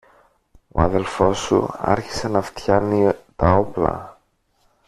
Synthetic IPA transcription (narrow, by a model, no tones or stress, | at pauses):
o̞̰ɐðe̞lfo̞sṵɐ̰ɾçi̥se̞nɐft̪çɐnit̪ɐo̞plɐ̰